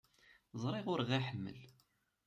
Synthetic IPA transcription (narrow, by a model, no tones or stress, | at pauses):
zˤɾˤiʁʊɾʁæħəmːə̰l